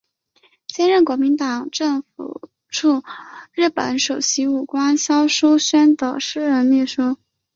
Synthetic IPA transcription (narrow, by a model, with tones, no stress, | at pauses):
ɕjɛ˥nɻə˥˩nkwɔ˧˥mi˧˥nt̪ɑ˨˩ŋʈ͡ʂɤ˥˩ŋfṵ˨˩ | ʈ͡ʂʰu˥˧ɻɻ̩˥˩pə̰˧˥nʂo˨˩ʊɕi˧˥u˨˩kwa˥nɕjɑ˥ʊʂu˥ʊɕɛ˥nd̪ə˨˩ʂɻ̩˥ɻə˧˥nli˥˩ʂu˥